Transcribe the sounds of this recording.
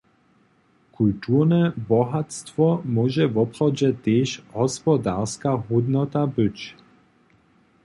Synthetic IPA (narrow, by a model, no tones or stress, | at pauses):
kult̪uːʁnɛbɔɦat̪st̪ʋɔmɔːʒɛvɔpχɔd͡ʑɛt̪eːʃhɔspɔd̪aʁskaɦud̪nɔt̪abɪt͡ɕ